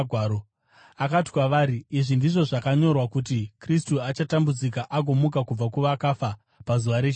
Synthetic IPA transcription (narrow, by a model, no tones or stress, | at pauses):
ɡʱwaːɾo | akati̥kwaʋaːɾiːʐindiʐo̞ʐakaɲo̞rwakutikristuat͡ʃatambud͡zikaʔaɡʱo̞mukakub͡vakuʋakafa | pazuʋaɾe